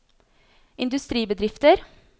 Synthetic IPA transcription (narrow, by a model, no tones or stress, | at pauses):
ʔɪnd̪ʉst̪ɾiːbəd̪ɾɪft̪əɾ